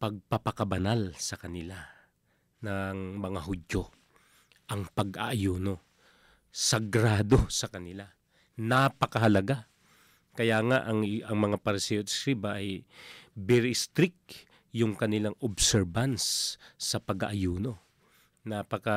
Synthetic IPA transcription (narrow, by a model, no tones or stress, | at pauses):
pɐɡ̚pɐpɐkɐbɐnalsɐkɐnɪla | nɐŋmɐŋaɦʊd͡ʒo̞ | ʔɐŋpɐɡʔa̰ʔɐjuːno̞ | sɐɡɾaːd̪o̞sɐkɐnɪla | napɐkɐhɐlɐɡa | kɐjaŋaʔɐŋɐŋmɐŋapɐɾɪsɛjosɾibɐʔɐj | bɛɾist̪ɾɪk̚ | jʊŋkɐnɪlaŋobsɛɹbansːɐpɐɡa̰ʔɐjuːno̞ | napɐka